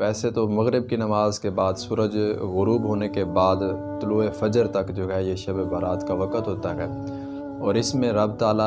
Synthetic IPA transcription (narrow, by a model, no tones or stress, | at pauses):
ʋɛːset̪omɐɣɾɪb̚kinɐmaːzkebaːd̪suːɾəd͡ʒɣʊɾuːbɦoːnekebaːd̪t̪ʊluːefɐd͡ʒəɾt̪ɐkd͡ʒoːɦɛjeʃɐbbaːɾaːt̪kaʋɐkət̪ɦoːt̪aɦɛː | ɔːɾɪsmẽɾɐbt̪aːla